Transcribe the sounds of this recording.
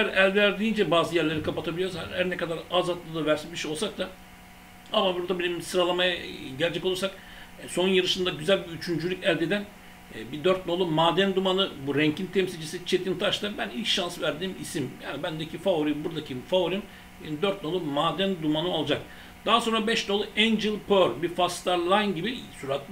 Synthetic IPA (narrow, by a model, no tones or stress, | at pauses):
æɾælʲdæɾd̪iːnd͡ʒɛbaːzɯjæɾlʲe̞ɾikʰapat̪ʰabilʲijo̞ɾsahæɾnɛkʰad̪aɾazat̪lˠɯd̪avæɾsinbiɾʃejo̞lˠsak̚t̪d̪a | amabuɾd̪abenimsɯɾalˠamajaɟɛlʲed͡ʒɛkolˠuɾsak | so̞njɯɾɯʃɯnd̪aɟyzælʲbiyt͡ʃʰynd͡ʒylʲycælʲd̪ed̪æn | bid̪øɾt̪̚no̞lˠumaːd̪ænd̪umanɯbuɾɛɲcʰint̪ʰɛmsilʲd͡ʒisit͡ʃʰe̞t̪ʰint̪ʰaʃt̪abænilʲcʃansvæɾd̪iːmisimja̰ːnibænd̪ecʰifaoɾimbuɾd̪acʰifavoɾim | benid̪øɾt̪̚no̞lˠumaːd̪ænd̪umanɯo̞lˠd͡ʒak̚ | d̪̥aɦaso̞nɾabɛʃno̞lˠuɛnd͡ʒilʲpʰøɾbifast̪aɾlˠajnɟibisuɾat̪